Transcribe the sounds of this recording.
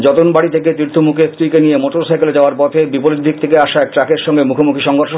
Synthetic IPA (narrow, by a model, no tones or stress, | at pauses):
d͡ʑɔt̪onbaɽit̪ʰeket̪ɾiɾt̪ʰːomukʰest̪ɾikenijemoʈoɾsajkeled͡ʑaoaɾpɔt̪ʰebipoɾid̪ʱːik̚t̪ʰekeaʃaɛk̚ʈɾakeɾʃɔŋɡemukʰomukʰiʃɔŋɡʱoɾʃo